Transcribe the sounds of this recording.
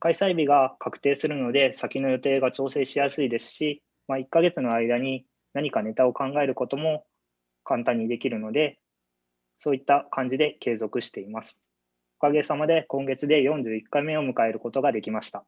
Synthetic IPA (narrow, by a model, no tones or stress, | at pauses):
kaisaibʲiɡakʰakɯ̟̥t̪e̞ːsɨɾɯ̟no̞d̪e̞sakʲino̞jo̞t̪e̞ːɡat͡ɕo̞ːse̞ːɕijasɨid̪e̞sɨ̥ɕi | maikːaɡe̞t͡sɨno̞aid̪aɲ̟i | naɲ̟ikane̞t̪ao̞kãŋɡae̞ɾɯ̟ko̞t̪o̞mo̞ | kãnt̪ãɲ̟ːid̪e̞kʲiɾɯ̟no̞d̪e̞ | so̞ːit̪ːakãɲ̟d͡ʑid̪e̞ke̞ːzo̞kɯ̟ɕi̥t̪e̞imasɨ̥ | okaɡe̞samad̪e̞kõ̞ŋɡe̞t͡sɨd̪e̞jõ̞ɲ̟d͡ʑɨːikːaime̞o̞mɯ̟kae̞ɾɯ̟ko̞t̪o̞ɡad̪e̞kʲimaɕi̥t̪a